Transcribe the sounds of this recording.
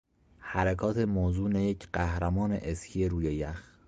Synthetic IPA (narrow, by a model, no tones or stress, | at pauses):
hæɾækʰɒːt̪ʰemoːzuːnejecʰɢæhɾæmɒːnḛʔescʰieɾuːjejæx